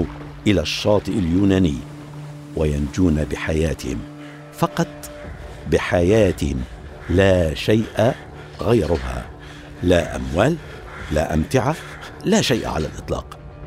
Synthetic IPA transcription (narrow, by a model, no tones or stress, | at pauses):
ʔɪlaʃːɑːt̪ˤɨʔaljuːnaːnɪjː | wajand͡ʒuːnabɪħajaːt̪ɪhɪ̰m | fɑqɑt̪ˤ | bɪħajaːt̪ɪhɪm | laːʃajʔa | ɣajɾʊɦa̰ | laʔa̰mwaːl | laʔamt̪ɪʕa | laːʃajʔa̰ʕa̰la̰lʔɨt̪ˤlɑ̰ːq